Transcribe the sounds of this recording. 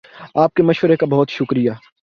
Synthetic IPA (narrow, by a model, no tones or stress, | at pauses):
aːp̚kemɐʃʋəɾekabɐɦʊt̪ʃʊkɾijaː